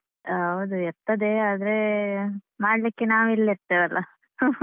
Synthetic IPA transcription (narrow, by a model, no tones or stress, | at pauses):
ɦɐwd̪uɛɾt̪ːɐd̪eaːd̪ɐɾe | maːɽlikːenaːʋilːɛɾt̪ːeʋɐlʔɐ